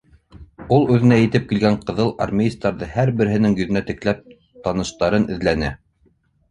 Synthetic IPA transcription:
ulˠʉðɘ̆næjɘ̆t̪ɘp̚kilɡæɴqɤ̆ðɤlˠa̰rmʲeist̪ɑɾðɤhæɾbɘ̆ɾɘ̆ɦɘ̆nɘŋjɵ̆ðɘ̆næt̪ɘ̆klæp̚ | t̪ɑnɤ̆ʃt̪ɑɾɤnʔɘ̆ðlænɘ

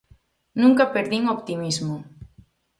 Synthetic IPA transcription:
nũŋkapeɾðiŋopt̪imizmu

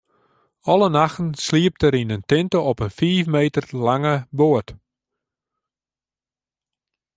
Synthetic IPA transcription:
ɔlənaxtn̩sliəp̚təɾinəntɪntoɔpənfiːfmeːtərlaŋəbʊət

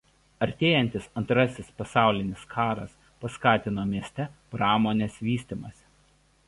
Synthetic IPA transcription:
ɐɾʲt̪ʲeːjɛnʲt̪ʲɪsɐnt̪ɾɐsʲɪspɐsɑˑʊlʲɪnʲɪskʰɑːɾɐ̰s | pɐskɑːt̪ʲɪnoːmʲiɛsʲt̪ʲɛpɾɑːmoːnʲeːsʋʲiːsʲt̪ʲimɐsʲ

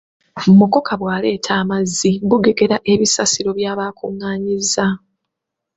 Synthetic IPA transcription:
mumuko̞kaβwaːle̞ːtʰaːmazːiβuɡe̞ɡe̞ɾaʔe̞βisasiɾo̞βjaːβaːkʰuŋːaːɲiza

